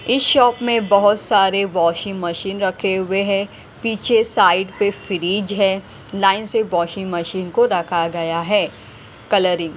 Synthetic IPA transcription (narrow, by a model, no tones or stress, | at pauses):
ɪsʃɔːpmẽbɐɦʊt̪saːɾeʋɔːʃɪ̃ŋɡmɐʃiːnɾɐkʰeʋeɦ | piːt͡ʃʰesaːɪɖpefɪɾiːd͡ʒɦɛː | laːɪnseʋɔːʃɪ̃ŋɡmɐʃiːnkoɾɐkʰaɡɐjaɦɛː | kɐləɾɪ̃ŋɡ